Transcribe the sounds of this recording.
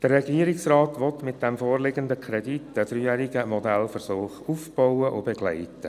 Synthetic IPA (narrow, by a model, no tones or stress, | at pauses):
d̥ərːɛɡiəɾɪksraːtʋɔtmɪt̚d̥ɛmfoːrlɪɡəndəkʰɾɛditəd̥ryːjæɾiɡəmɔdælfərsoːχufb̥ɔʊəʔo̰beɡ̥lɛ̰ɪtə